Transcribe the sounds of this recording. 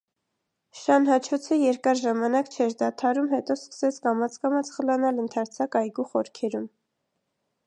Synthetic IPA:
ʃɑnɦɑt͡ʃʰɔt͡sʰəjɛɾkɑɾʒɑmɑnɑkt͡ʃʰɛɾd̪ɑt̪ʰɑɾumhɛt̪ɔskə̥sɛt͡sʰkɑmɑt͡sʰkɑmɑt͡sʰχəlɑnɑlənt̪ʰɑɾt͡sʰɑkɑjɡuχɔɾkʰɛɾum

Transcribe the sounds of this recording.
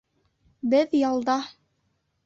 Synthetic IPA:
bɘðjɑlˠd̪ɑ

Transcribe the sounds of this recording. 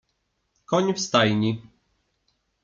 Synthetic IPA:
kɔɲʲfst̪ajɲʲi

